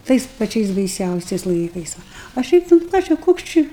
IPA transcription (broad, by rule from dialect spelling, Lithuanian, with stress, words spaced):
ˈtɐɪs pɐˈt͡ʃʲɛɪs bɐɪˈsʲɛʊsʲɛɪs ˈlˠɐɪkɐɪs ˈʋɐ ɐ ˈʃʲɛɪp nʊ ˈkɑː t͡ʃʲɛ ˈkoːks t͡ʃʲɪ